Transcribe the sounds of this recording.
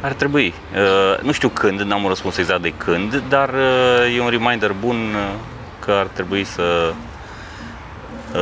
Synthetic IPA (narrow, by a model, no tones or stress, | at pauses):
art̪ɾe̞bui | ənuʃt̪iwkʰɨnd̪namunrəspunse̞ɡzakt̪̚d̪e̞kʰɨnd̪d̪arəje̞unrimajnd̪ərbun | kʰəart̪ɾe̞buisə